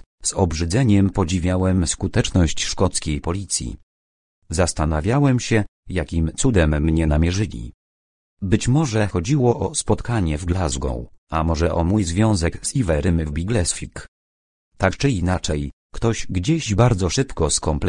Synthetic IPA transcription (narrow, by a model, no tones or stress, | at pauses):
z̥ɔbʐɘd̪zɛɲɛmpɔd͡ʑivʲjawɛmskut̪ɛt͡ʂnɔɕt͡ɕʂkɔt̪skʲejpɔlʲit̪sʲjḭ | zast̪anavʲjawɛmɕɛjakʲimt̪sud̪ɛmːɲɛnamʲjɛʐɘlʲḭ | bɘt͡ɕmɔʐɛxɔd͡ʑiwɔʔɔspɔt̪kaɲɛvɡlazɡɔ̰̃w̃amɔʐɛʔɔmujzvʲjɔ̃w̃zɛkzivɛɾɘmvbʲiɡlɛsfʲik | t̪akt͡ʂɘinat͡ʂɛj | kt̪ɔɕɡd͡ʑeʑbaɾd̪zɔʂɘpkɔskɔmpl